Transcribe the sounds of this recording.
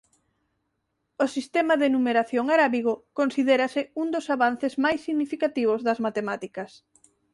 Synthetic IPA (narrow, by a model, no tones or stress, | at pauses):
ʊsist̪emɐðenumeɾaθjoŋaɾaβiɣʊkonsiðeɾɐsɪund̪osaβanθɪzmajsːiɣnifikat̪iβ̞ozðɐzmat̪emat̪ikɐs